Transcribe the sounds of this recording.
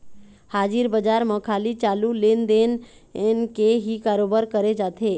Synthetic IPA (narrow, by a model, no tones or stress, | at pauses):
haːd͡ʒiɾbəd͡ʒaɾməkʰaːlit͡ʃalulend̪en | enkeɦikaːɾobəɾkəɾed͡ʒaːt̪ʰe